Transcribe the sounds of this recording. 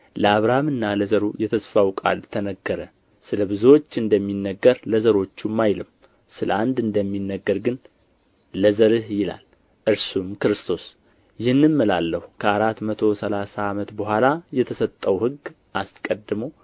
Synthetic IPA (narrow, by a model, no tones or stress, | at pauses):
ləaβɾahamɨnːaləzəɾujɛt̪ʰəsfawkʼa̰lt̪ʰənəɡːəɾə | sɨləβɨzuwot͡ʃːɨnd̪əmːinːəɡːəɾləzəɾo̞t͡ʃːumːajlɨm | sɨləand̪ɨnd̪əmːinːəɡːəɾɡɨnː | əzəɾɨhjɪla̰l | ʔɨɾsumkɨɾɨst̪ʰo̞s | jɪhɨnːɨmməla̰lːəhukʰəaɾat̪mət̪ʰo̞səlasaːmət̪bəɦʷalajɛt̪ʰəsət̪ʼːəwhɨɡ | ʔaskʼəd̪ːɨməw